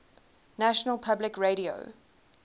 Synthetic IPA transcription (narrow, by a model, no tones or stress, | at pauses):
næʃənəlˠpʰablɪkɹeɪɾio̰ʊ